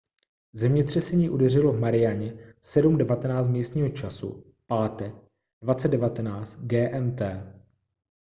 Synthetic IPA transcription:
zɛmɲɛt̪r̝̥ɛsɛɲiːʔudɛr̝ɪlovmaɾɪjaɲɛsɛdumdɛvat̪ɛnaːt͡st̪miːst̪ɲiːɦo̞t͡ʃasṵ | paːt̪ɛk | dvat͡sɛddɛvat̪ɛnaːt͡st̪ɡɛːʔɛmt̪ɛː

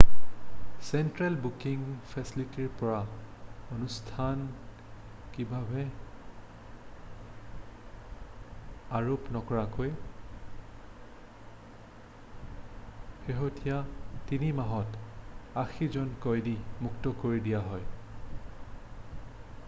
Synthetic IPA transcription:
sɛntɹɛlbukiŋpʰɛsilitiɹpɔɹa | onustʰan | kibʱabɛ | aɹopnɔkɔɹakoj | xeɦotijatinimaɦɔtaxʰizɔnkɔjdimuktɔkoɹidijaɦɔj

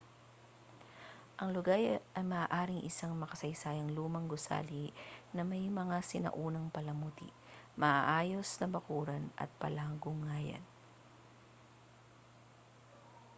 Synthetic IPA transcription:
ʔɐŋlʊɡajʔɐjmɐʔaːʔaːɾɪŋʔɪsaŋmɐkɐsɐjsaːjɐŋluːmɐŋɡʊsa̰ːlinɐmɐjmɐŋasɪnɐ̰ʔuːnɐŋpɐlɐmut̪ḭ | mɐʔaʔaːjo̞snɐbɐkuːɾɐnʔɐ̰t̪̚pɐlaːɡʊŋaːjɐ̰n

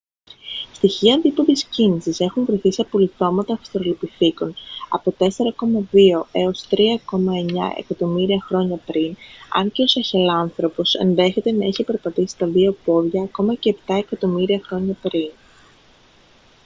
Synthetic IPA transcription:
st̪içiɐnd̪ipoðiscinisise̞xuɱvɾiθiseɐpo̞liθo̞mɐt̪ɐfi̥st̪ɾolo̞piθiko̞nɐ̰po̞t̪e̞seɾɐko̞mɐðio̞e̞o̞st̪ɾiɐko̞mɐe̞ɲɐ̰ʔe̞̰kɐt̪o̞miɾiɐxɾo̞ɲɐpɾinɐ̰nce̞o̞sɐçelɐnθɾo̞po̞se̞̰nðe̞çe̞t̪e̞nɐiçipe̞ɾpɐt̪isi̥t̪ɐðio̞po̞ðʝɐːko̞mɐce̞ːpt̪ɐekɐt̪o̞miɾiɐxɾo̞ɲɐpɾin

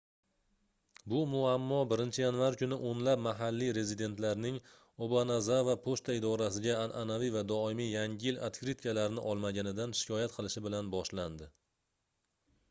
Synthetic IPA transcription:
bʊmʊamːɒbɪɾɪnt͡ʃʰɪjanvaɾkʲʊnɪʔonlap̚maɦalːijɾe̞zid̪e̞nt̪laɾnɪŋ | obanazavapʰost̪ʰaɪd̪ɒɾasɪɡʲaːnʔanavijvad̪ɒɪmijjaŋɪɪla̰t̪kʲɾit̪kʲʰalaɾɪnɪʔɒlˠmaɡʲanɪd̪anʃɪ̥kʰʲɒjat̪qʰɨlˠɪʃɪbɪlanbɒʃland̪ɪ

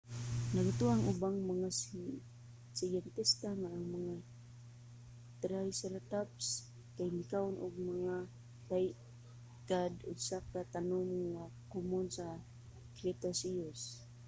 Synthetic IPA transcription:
naɡat̪ʊaŋʔʊbaŋmaŋa | sɪjɛnt̪ɪst̪aŋaːŋmaŋa | t̪ɾajsɛɾt̪aps | kajmɪkaʊnʔʊɡ̚maŋa | laj | kad̪ʊɡsakat̪anʊmŋakʊmʊnsa | kɾɛt̪asios

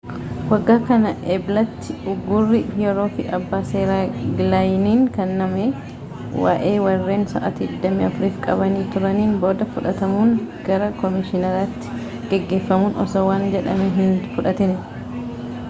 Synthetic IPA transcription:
wɐɡːaːkɐnɐʔɛblɐt̪ːɪʊɡːʊrːɪjɛɾo̞ːfɪʔɐbːaːseːɾaːɡlajniːnkɐnːɐmeː | wa̰ːʔe̞ːwɐrːe̞ːnsɐ̰ʔɐt̪iːɪd̪ːɐmiːɐfʊɾiːfkʼɐbɐniːt̪ʊɾɐniːnbo̞ːd̪ɐfʊᶑɐt̪ɐmuːŋɡ̥ɐɾɐkɔmɪʃɪnɐɾaːt̪ːɪ̥ | ɡ̥ɛɡːe̞ːfːɐmuːnɔ̰sɐwaːnd͡ʒɛᶑɐmɛɦɪnfʊᶑɐt̪ɪn

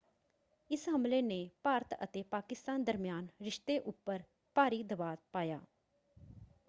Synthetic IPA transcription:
ɪsɦəmleːneːpaːɾət̪ə̰t̪eːpaːkɪst̪aːnd̪əɾmɪjaːnɾɪʃt̪eːʔʊpːəɾ | paːɾiːd̪əbaːd̪paːjaː

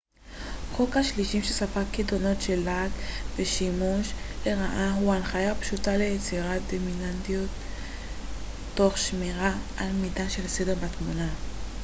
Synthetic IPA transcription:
χokhaʃliʃimʃesafakːidono̞tʃelːaɡveʃimuʃleʁaʔaɦuanχajapʃutale̞jet͡siʁatd̪ominantijo̞t̪ | oχʃmiʁaʔalmidaʃelsedeʁbatmuna

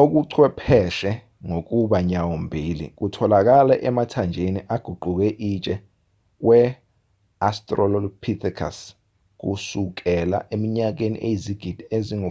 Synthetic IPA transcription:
ok̬uǀʰwɛpʰɛʃɛ | ŋok̬ʼuɓaɲawombʱilḭk̬utʰɔlak̬alɛʔɛmatʰand͡ʒʱeniʔaɡ̥ʱuɡ͡ǃʱuk̬ɛʔit͡ʃʼɛ | k̬wɛ | astʼrɔlɔlpʰit̪ʰikʰa̰s | k̬ṵsuk̬ɛla̰ʔemiɲak̬enḭʔejiziɡ̥ʱid̥ʱieziŋ

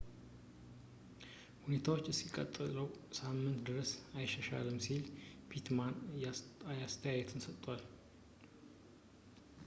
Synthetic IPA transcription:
hune̞t̪ʰawot͡ʃːɨsːikʼə̰t̪ʼːɨləwsamːɨnt̪d̪ɨɾəsajɪʃːəʃa̰lɨmsilpit̪man | ajast̪ʰəjajɛt̪ʰɨnsət̪ʼːwal

